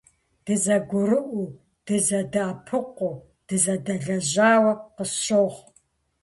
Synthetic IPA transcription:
d̥ɨzɐɡʷʊɾɨʔʷu | d̥ɨzɐdɨapʰɨqʷu | d̥ɨzɐdɐɮɐʑaːwɐqəɕoːʁ

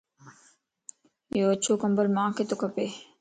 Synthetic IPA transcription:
joːt͡ʃʰoːkɐmbəɾmãːket̪okɐpe

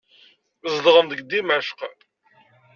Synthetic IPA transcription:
zˤd̪ʁəmd̪əɡd̪imæʃq

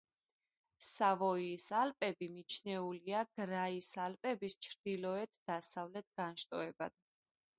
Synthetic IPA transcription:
savɔiːsalpʼɛbimit͡ʃʰnɛuliaɡ̥ɾaisalpʼɛbist͡ʃʰɾd̪ilɔɛt̪ʰd̪̥asavlɛt̪̚ʰɡ̥anʃt̪ʼɔɛba̰d̪̥̚

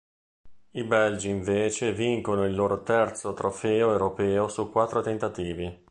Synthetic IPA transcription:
ibɛld͡ʒiiɱveːt͡ʃeviŋkonoilːoːɾot̪ɛrt̪sot̪ɾofɛːoewɾopɛːosukːwat̪ːɾot̪ent̪at̪iːvi

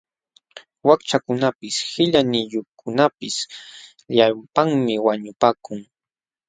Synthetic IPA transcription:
wakt͡ʃakʊnapɪshɪʎanɪjokʰʊnapɪs | japaŋmɪwaɲʊpaːkʊŋ

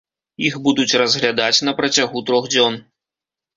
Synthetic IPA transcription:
ixbud̪ut͡sʲrɐzɣlʲad̪at͡sʲnɐpɾɐt͡sʲaɣut̪ɾɔɣd͡zʲɔn

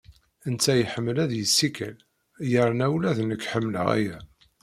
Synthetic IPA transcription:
ənt͡sːæjħəmːəlæðjəsːikæ̰l | jəɾˤnæwlæðnəkːħəmːlə̰ʁæ̰jæ

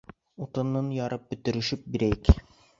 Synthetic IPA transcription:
ut̪ɤ̆nːɤnjɑɾɤp̚bɵ̆t̪ɘ̆ɾɘ̆ʃɘp̚biɾæjɘk

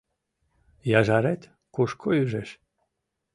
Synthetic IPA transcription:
jɑʒɑɾet̪ʲ | kuʃkʰoyʒeʃ

